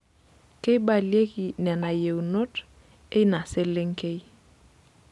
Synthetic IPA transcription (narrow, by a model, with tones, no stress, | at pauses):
ke˦i˦ba˨lije˦ki˨nɛ˨na˨je˨wno˦t | e˦i˦na˨se˦le˦ŋke˦i˦